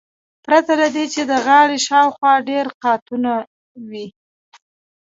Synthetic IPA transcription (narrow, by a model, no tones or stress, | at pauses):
pɾat̪alad̪et͡ʃed̪əɣɑɽeʃɑwxwɑɖeɾqɑt̪una | wi